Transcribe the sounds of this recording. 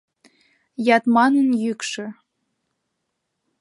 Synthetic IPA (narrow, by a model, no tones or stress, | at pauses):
jɑt̪mɑnənjykʃø̆